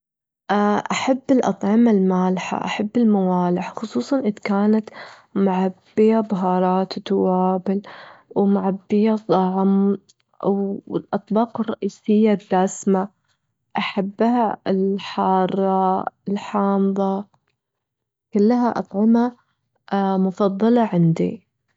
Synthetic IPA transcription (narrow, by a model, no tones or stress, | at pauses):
ʔaʔaħabːɪlʔɑ̰t̪ˤʕɑmalmaːlħa̰ʔa̰ħabːɪlmawaːlɪħxʊsˤuːsˤɑnʔɪd̪kaːnat̪ | mʊʕabːɪjabɦɑːɾˤɑːt̪wt̪awaːbɪlwmʊʕabːɪjat̪ˤɑʕm | wɪlʔɑt̪ˤbɑːqɨrˤːɑʔiːsɪjːad̪ːaːsma | ʔaħabːhaɪlħɑːɾˤɑɪlħɑːmðˤɑ | kʊlːɦaʔɑ̰t̪ˤʕɑma | mʊfɑðˤːɑlɑʕɪnd̪ḭ